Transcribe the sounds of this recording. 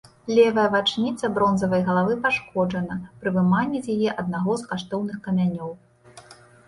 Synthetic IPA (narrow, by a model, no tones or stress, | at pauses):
lʲɛvɐjɐvat͡ʂnʲit̪sɐbɾɔnzɐvɐjɣɐlˠavɨpaʂkɔd͡ʐɐnɐpɾɨvɨmanʲːɛzʲjajɛʔɐd̪̚naɣɔzkaʂt̪ɔwnɨxkɐmʲanʲɔw